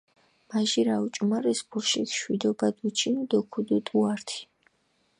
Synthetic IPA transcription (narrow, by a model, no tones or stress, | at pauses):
maʒiɾaut͡ʃʼumaɾɛsbuɾʃiʃwid̪ɔbad̪ut͡ʃʰinud̪ɔkʰud̪ut̪ʼuaɾt̪ʰi̥